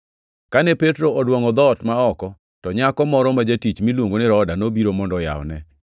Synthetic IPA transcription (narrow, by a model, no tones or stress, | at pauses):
kanɛpetɾoɔdwɔŋɔd̪ɔtmaɔkɔ | tɔɲakɔmɔɾɔmad͡ʒatit͡ʃmilwoŋɡonɪɾɔdanobiɾomɔndɔja̰wnɛ